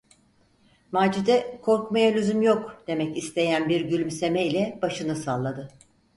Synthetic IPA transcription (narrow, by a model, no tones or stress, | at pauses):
maːd͡ʒid̪ɛkʰo̞ɾkmajalʲyzymjo̞kd̪̥e̞mɛcist̪ʰe̞jænbiɾɟylʲymse̞mɛilʲɛbaʃɯnɯsalˠːad̪ɯ